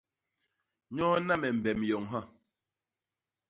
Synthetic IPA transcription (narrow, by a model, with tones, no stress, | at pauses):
ɲɔ˦na˦mɛ˨m̩˨bɛ˨mjɔ˨ŋɦa˦